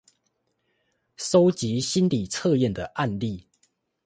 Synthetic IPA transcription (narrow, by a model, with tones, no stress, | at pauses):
so˦ʊt͡ɕi˨˦ɕi˦nli˨˩t͡sʰɤ˥˧jɛ˥˨nd̪ə˩ʔa˥˧nli˥˨